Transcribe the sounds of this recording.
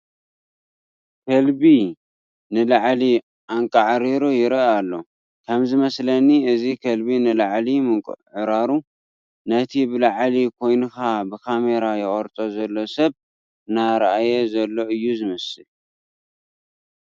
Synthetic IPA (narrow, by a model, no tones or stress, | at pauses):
kʰɐlbi | nɨlaʕli | ʔaŋkʼaʕɾiɾojɪɾɐalːo̞ | kʰɐmzɨmɐslɐnːiɨzikʰɐlbinɨlaʕlimɨŋkʼṵʕɨɾaɾu | nɐt̪ʰibɨlaʕlikʰo̞jnɨxabɨkʰame̞ɾajɪχʼɐɾt̪ʼo̞zɐlːosɐβ | naɾɐʔajezɐlːo̞ɨjːuzɨmɐsɨl